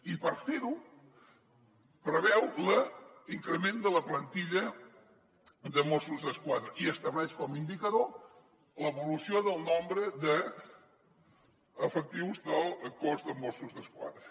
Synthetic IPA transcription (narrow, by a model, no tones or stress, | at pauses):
ipəɾfeɾu | pɾəβɛwləiŋkɾəmend̪ələplənt̪iʎə | ðəmosuzðəskwaðɾəʔiəst̪əβlɛʃkɔmind̪ikəðo | ləβulusioðəlˠnombɾəðə | fək̚t̪iwzd̪əlˠkozd̪əmosuzðəskwa̰ðɾə